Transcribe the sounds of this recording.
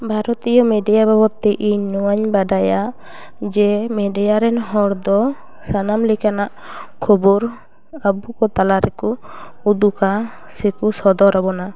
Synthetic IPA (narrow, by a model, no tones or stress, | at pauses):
bʱaɾɔt̪ijɔmɛɖijabʱabɔt̪ːɛʔiɲnuwaɲbaɖaja | d͡ʒɛmɛɖijaɾɛnɦɔɾd̪ɔ | sanamlikanaʔ | kʰɔbuɾ | abukɔt̪alaɾɛku | ud̪uka | sɛkusɔd̪ɔɾabɔna